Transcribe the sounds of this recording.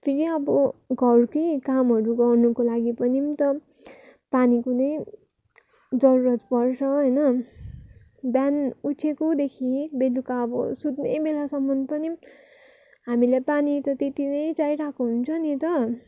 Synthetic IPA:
pʰiɾiʌbʌɡʱʌrkʌjkamɦʌɾuɡʌrnukolaɡipʌnimt̪ʌ | panikonʌj | d͡zʌɾuɾʌt̪pʌrt͡sʰʌɦʌjnʌ | bjanut͡sʰekod̪ekʰibelukaʌbʌ̰sud̪nejbelasʌmːʌnd̪pʌnim | ɦamilejpanit̪ʌt̪et̪inʌjt͡sajɾakoɦunt͡sʰʌnit̪ʌ

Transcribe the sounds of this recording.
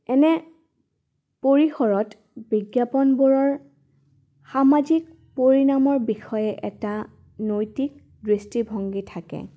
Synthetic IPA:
ɛnɛ | poɹixɔɹɔt | biɡjapɔnboɹɔɹ | xamazik | poɹinamɔɹbixɔjɛʔɛta | nojtik̚ | dɹistibʱɔŋɡitʰakɛ̰

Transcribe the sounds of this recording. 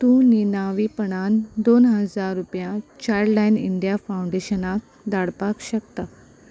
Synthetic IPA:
t̪ũninaʋipəɳ̃and̪onɦəd͡zaɾːupjat͡ɕajɽlajnḭɳɖjafauɳɖeɕənak̚ | d̪aɽpakɕəkt̪a

